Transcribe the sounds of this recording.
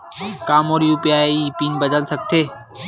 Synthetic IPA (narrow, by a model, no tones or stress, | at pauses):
kaːmoːɾjupijaːeipiːnbəd̪əlsɐɡ̚t̪ʰeː